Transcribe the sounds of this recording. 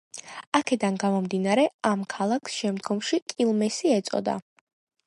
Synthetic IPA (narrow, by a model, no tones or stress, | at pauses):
akʰɛd̪anɡamɔmd̪inaɾɛamkʰalˠakʰsʃɛmd̪ɡɔmʃikʼilˠmɛsiɛt̪sʼɔ̰d̪a̰